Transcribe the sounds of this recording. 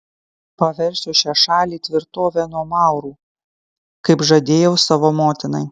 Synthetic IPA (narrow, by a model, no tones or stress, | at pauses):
pɐʋʲɛɾʲsʲʊʃʲæʃɑːlʲiːt̪ʲʋʲɪɾt̪oːʋʲɛnuɔmɑˑʊɾuː | kɐɪpʒɐd̪ʲeːjɛʊsɑʋoːmoːt̪ʲɪnɐɪ